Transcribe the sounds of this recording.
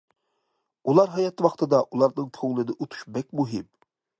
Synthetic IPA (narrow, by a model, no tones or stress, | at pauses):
ulˠɑɾɦɑjɑt̪ʰwɑχt̪ʰɨd̪ɑʔulˠɑɾnɨŋt̪ʰoŋlˠɨnɪʔot̪ʰu̥ʃbɛk̚ʲmuɦɪm